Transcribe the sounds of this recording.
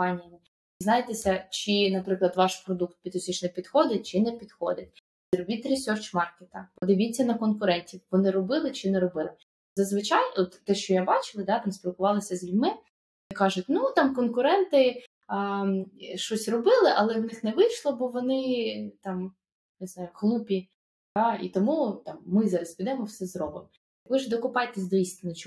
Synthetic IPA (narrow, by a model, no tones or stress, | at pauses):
ɑnʲɪijɐmɪ | znɑjet̪esʲɐt͡ʃɪnɐpɾɪklˠɐd̪ʋɑʃpɾɔd̪uk̚t̪̚pʲit̪ɔsʲit͡ʃnɛpʲid̪xɔd̪ʲɪt̚ʲt͡ʃɪnɛpʲid̪xɔ̰d̪ʲɪt̚ʲ | zʲrɔbʲit̪ɾʲisʲɔrt͡ʃmɑrket̪ɐpɔd̪ɪʋʲitʲt͡sʲːɐnɐkɔnkʊɾɛnʲtʲiwʋɔnɪɾɔbɪlˠɪt͡ʃɪnɛɾɔbɪlˠɪ | zɐzʋɪt͡ʃɑjɔt̪ːɛʃt͡ʃɔjabɑt͡ʃɪlˠɐd̪ɑt̪ɑmsʲpʲilˠkʊʋɑlˠɪsʲɐzʲilʲmɪ | ɐkɑʒʊt̚ʲnut̪ɑmkɔnkʊɾɛnt̪ɪ | ʃt͡ʃɔsʲrɔbɪlˠɪʔɐlˠɛwnɪxnɛʋɪjʃlˠɔbɔʋɔnɪt̪ɑm | nɪznɑjʊhlˠupʲi | d̪̥ɑḭt̪ɔmut̪ɑmːɪzɑɾɐsʲpʲid̪ɛmɔwsɛzrɔbɪm | jɐkʋɪʒd̪ɔkʊpɑjt̪ɛzʲd̪ʋʲist̪ʲɪnɐt͡ʃ